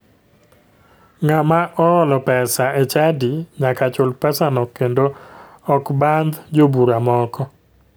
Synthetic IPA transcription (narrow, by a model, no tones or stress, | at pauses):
ŋamaʔɔɔlɔpɛsaɛt͡ʃadiɲakat͡ʃʊlpɛsanɔkːendoɔkband̪d͡ʒobuɾamɔkɔ